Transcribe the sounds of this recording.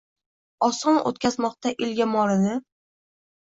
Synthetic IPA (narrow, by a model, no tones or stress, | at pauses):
ɒsɒno̰t̪̚kʲazmɒq̚t̪aʔɪlɡʲamɒɾɪnɪ